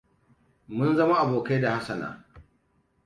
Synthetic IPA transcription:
mʊ˦nzɐ˦ma˦ʔa˨boː˨ka˦da˨ha˦sɐ˨na̰ː˨

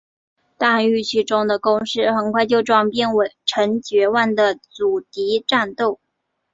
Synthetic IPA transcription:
t̪a˥˧y˥˧t͡ɕʰy˥˩ʈ͡ʂʊ˥ŋd̪ə˨kʊ˥ŋʂɻ̩˥˩xə˨˩nkʰwa˥˧ɪt͡ɕjo˥˧˩ʊʈ͡ʂwɑ˥˩ŋpjɛ˥˩nwe˨˩ɪʈ͡ʂʰə˧˥ŋt͡ɕɥɛ˧˥wa˥˩nd̪ə˨t͡su˨˩t̪i˧˥ʈ͡ʂa˥˧nt̪o˥˩ʊ

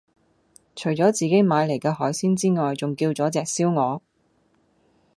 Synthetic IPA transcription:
t͡ʃʰɵ˨˩ɥt͡sɔː˨˥t͡siː˨ke˨˥jmaː˨˧jle˨˩jkɛː˧hɔː˨˥jsiː˥nt͡siː˥ŋɔː˨jt͡sʊ˨ŋkiː˧wt͡sɔː˨˥t͡sɛː˨k̚siː˥wŋɔː˨˧

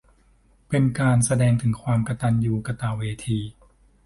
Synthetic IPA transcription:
pe˧nkaː˧nsa˧dɛː˧ŋt̪ʰɯ˩˦ŋkʰwaː˧mka˧t̪a˧njuː˨˩ka˧t̪aː˧˩weː˧t̪ʰiː˧

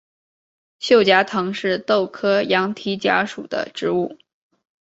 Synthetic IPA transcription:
ɕjo˥˩ʊt͡ɕja˧˥t̪ʰɤ˧˥ŋʂɻ̩˥˧t̪o˥˩ʊkʰɤ˥jɑ˧˥ŋt̪ʰi˧˥t͡ɕja̰˧˥ʂṵ˨˩d̪ə̰˦ʈ͡ʂɻ̩˧˥u˥˩

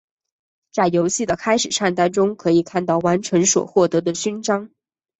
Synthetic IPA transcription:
t͡sa˥˩ɪjo˧˥ʊɕi˥˩d̪ə˩kʰa˥ɪʂɻ̩˨˩ʈ͡ʂʰa˥˩nt̪a˥˩nʈ͡ʂʊ˥ŋkʰɤ˧˥i˨˩kʰa˥˧nt̪ɑ˥˩ʊwa˧˥nʈ͡ʂʰɤ˧˥ŋswɔ̰˨˩xwɔ˥˩t̪ɤ˧˥d̪ə˧ɕy˥nʈ͡ʂɑ˥ŋ

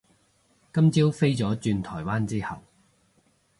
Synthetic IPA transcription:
kɐ˥mt͡siː˥wfe˥jt͡sɔː˨˥t͡ʃyː˧nt̪ʰɔː˨˩jwaː˥nt͡siː˥hɐ˨w

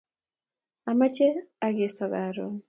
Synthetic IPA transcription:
a˨ma˦t͡ʃe˦a˦ɡɪ˨sɔ˨ɡa˨ɾo̰˨

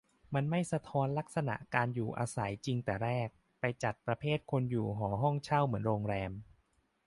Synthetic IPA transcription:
ma˧nma˥˩jsa˧t̪ʰɔː˦˧˥nla˦˥k̚sa˧na̰˨˩ʔkaː˧njuː˨˩ʔa̰ː˧sa˩˦jt͡ɕi˧ŋt̪ɛː˨˩ɾɛː˥˩k̚ | pa˧jt͡ɕa˨˩t̪̚pɾa˧pʰeː˥˩t̪̚kʰo˧njuː˨˩ɦɔː˩˦ɦɔ˥˩ŋt͡ɕʰa˥˩wmɯ˩˦ənɾoː˧ŋɾɛː˧m

